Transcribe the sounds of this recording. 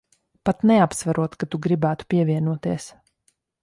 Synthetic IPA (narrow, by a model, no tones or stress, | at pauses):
pat̪nɛapsvaɾuɔt̪kat̪uɡɾibæːt̪u̥piɛviɛnuɔt̪iɛs